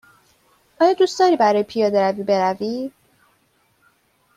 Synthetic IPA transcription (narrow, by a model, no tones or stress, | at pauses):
ɒːjɒːd̪uːsd̪̥ɒːɾiːbæɾɒːjepʰijɒːd̪eɾæviːbe̞ɾævi